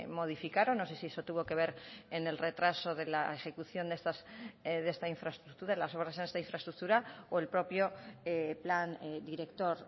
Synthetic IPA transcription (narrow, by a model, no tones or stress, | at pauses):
mo̞ð̞ifikaɾonːo̞se̞sie̞so̞t̪uβo̞ke̞β̞e̞ɾene̞lre̞t̪ɾaso̞ðe̞laexe̞kuθjo̞nd̪est̪asðe̞st̪aiɱfɾaest̪ɾuk̚t̪uɾaelaso̞β̞ɾasenest̪aiɱfɾaest̪ɾuk̚t̪uɾaoe̞lpɾo̞pjo̞epland̪iɾe̞kt̪o̞ɾ